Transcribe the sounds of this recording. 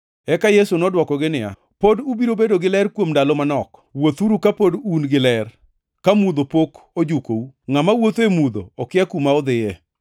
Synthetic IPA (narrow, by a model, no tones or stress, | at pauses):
ɛkajesunɔdwɔkɔɡɪnɪa̰ | podubiɾobedoɡɪlɛrkwomdalɔmanɔkwot̪uɾukapodunɡɪlɛr | kamud̪opok | od͡ʒukouŋamawot̪emud̪o̰ːkɪakumaɔd̪ɪjɛ